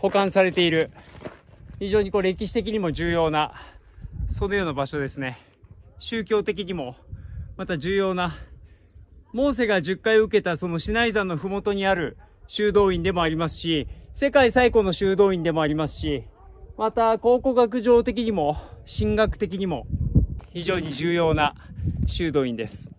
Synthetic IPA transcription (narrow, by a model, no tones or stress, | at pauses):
ho̞kãɰ̃saɾe̞t̪e̞iɾɯ̟ | çiʑo̞ːɲ̟iko̞ːɾe̞kʲiɕ̬i̥t̪e̞kʲiɲ̟imo̞ʑɨːjo̞ːna | so̞no̞jo̞ːnabaɕo̞d̪e̞sɨne̞ | ɕɨːkʲo̞ːt̪e̞k̬ʲiɲ̟imo̞mat̪aʑɨːjo̞ːna | mõ̞ːs̬e̞ɡaʑɨkːaiɯ̟ke̞t̪aso̞no̞ɕinaizãnːo̞ɸɯ̟mo̞t̪o̞ɲ̟iaɾɯ̟ɕɨːd̪o̞ːĩnd̪e̞mo̞aɾʲimasɨ̥ɕise̞kaisaiko̞no̞ɕɨːd̪o̞ːĩnd̪e̞mo̞aɾʲimasɨ̥ɕi | mat̪ako̞ːko̞ɡak̬ɯ̟ʑo̞ːt̪e̞k̬ʲiɲ̟imo̞ɕĩŋɡakɯ̟̥t̪e̞k̬ʲiɲ̟imo̞çiʑo̞ːɲ̟iʑɨːjo̞ːnaɕɨːd̪o̞ːĩnd̪e̞sɨ̥